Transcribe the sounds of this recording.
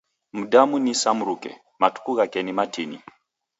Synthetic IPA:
m̩damunisamuɾukɛ̰ | matu̥kuɣakɛnimatʰinḭ

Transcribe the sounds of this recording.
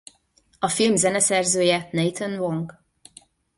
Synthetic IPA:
ɒfilmzɛnɛsɛrzøːjɛnɛjt̪ʰɛnvoŋɡ

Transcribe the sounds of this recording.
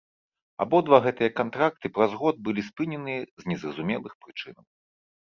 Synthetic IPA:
a̰bɔd̪vaɣɛt̪ɨjɐkant̪ɾak̚t̪ɨpɾazɣɔd̪̚bɨlʲispɨnʲɛnɨɛznʲɛzrɐzumʲɛlˠɨxpɾɨt͡ʂɨnɐ̰w

